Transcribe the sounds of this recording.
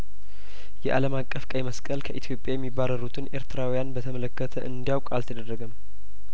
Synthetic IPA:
jɛʔaləmakʼːəfkʼəjməskʼəlkʰəʔit̪ʰjo̞pʼjajɛmːibːaɾəɾut̪ʰɨne̞ɾt̪ʰɨɾawijanbət̪ʰəmələkːət̪ʰəʔɨnd̪ijawkʷʼalt̪ʰəd̪ərːəɡəm

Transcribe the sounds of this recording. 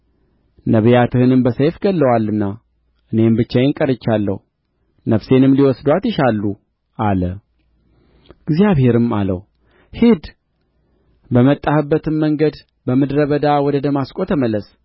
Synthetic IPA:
nəβjat̪ʰɨhɨnɨmbəsəjfɡəlːəwalːɨnːa | ʔɨne̞mbɨt͡ʃːajeŋkʼəɾɨt͡ʃːalːə̰hu | nəfse̞nɨmliwɔsd̪wat̪jɪʃalːu | ʔalə | ɪɡzijaβhe̞ɾɨmalə̰w | hid̪ | bəmət̪ʼːahɨbːət̪ʰɨnməŋɡəd̪ | bəmɨd̪ɾəβəd̪awɔd̪əd̪əmaskʼo̞t̪ʰəməlːəs

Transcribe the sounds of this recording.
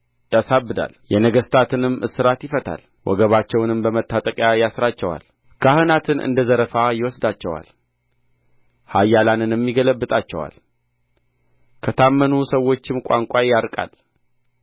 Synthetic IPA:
d̪ʼəsabːɨd̪a̰ljɛnəɡəst̪ʰat̪ʰɨnɨmːʔɨsɨɾat̪jɪfət̪ʰa̰l | wɔ̰ɡəβat͡ʃːɛwnɨmbəmət̪ʰːat̪ʼəkʼjajasɾat͡ʃːɛwa̰l | kʰahɨnat̪ʰɨnʔɨ̰nd̪əzəɾəfajɪwɔsd̪at͡ʃːɛwa̰l | hajːalanɨnɛmːiɡələbːɨt̪ʼat͡ʃːɛwa̰l | kʰət̪ʰamːənusəwːo̞t͡ʃːɪmkʷʼa̰ŋkʷʼajaɾkʼa̰l

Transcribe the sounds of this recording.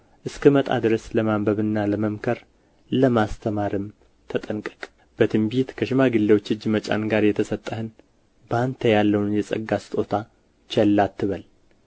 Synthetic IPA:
ʔɨskʰəmət̪ʼa̰d̪ɨɾəsləmambəβɨnːaləməmkʰəɾ | ləmast̪ʰəmaɾɨm | t̪ʰət̪ʼənkʼə̥kʼ | b̥ət̪ʰɨmbit̪kʰəʃɪmaɡɨlːewo̞t͡ʃːɨd͡ʒmət͡ʃʼa̰nɡaɾjɛt̪ʰəsət̪ʼːəhɨn | bant̪ʰəjalːəwnɨnjɛsʼə̰ɡːasɨ̥t̪ʼo̞t̪ʰa | t͡ʃɛlːat̪ːɨβəl

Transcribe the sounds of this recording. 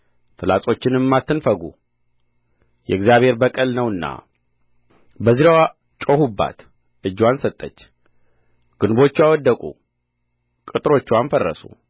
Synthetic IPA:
t̪ʰɨlasʼo̞t͡ʃːɪnɨmːat̪ːɨnfəɡṵ | jɛ̰ɡzijaβhe̞ɾbəkʼəlnəwɨnːa̰ | bəziɾawa | t͡ʃʼohubːa̰t̪ | ʔɨd͡ʒːwansət̪ʼːət͡ʃː | ɡ̥ɨnbo̞t͡ʃːwawɔd̪ːəkʼu | kʼɨt̪ʼɨɾo̞t͡ʃːwamnfərːə̰sṵ

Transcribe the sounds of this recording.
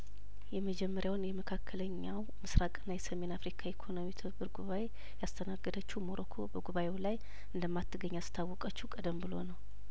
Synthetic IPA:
jɛməd͡ʒɛmːəɾjawnjɛməkʰakʰːələɲːaw | mɨsɾakʼɨnːajɛsəme̞nafɾikʰaekʰo̞nomit̪ʰɨbɨɾɡuβae̞ | jast̪ʰənaɡːəd̪ət͡ʃːuhmoɾʔəkʰo̞bəɡuβaʔewlaj | ɨnd̪əmːat̪ʰːɨɡəɲːast̪ʰawːɔkʼət͡ʃːukʼəd̪əmbɨlo̞̰nəw

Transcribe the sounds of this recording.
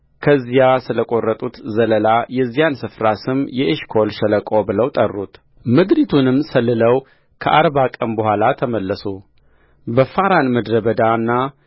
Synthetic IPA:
kʰəzːijasɨləkʼo̞rːət̪ʼut̪zələlajɛzːijansɨfɾasɨmjɛʔeʃkʰo̞lʃɛləkʼobɨləwt̪ʼərːut̪ | mɨd̪ɾit̪ʰunɨmsəlːɨləw | kʰəʔaɾβakʼənbəhʷalat̪ʰəməlːəsu | bəfaɾanmɨd̪ɾəbəd̪aɨnːa

